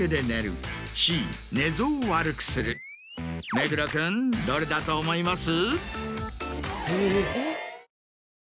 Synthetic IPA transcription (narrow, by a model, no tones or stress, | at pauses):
ed̪e̞neɾɯ̰ɕiːne̞zoːβaɾɯ̟kɯ̥sɨɾɯ | meɡɯ̟ɾokɯ̃nd̪oɾed̪at̪oːmo̞imasɨ | hɯ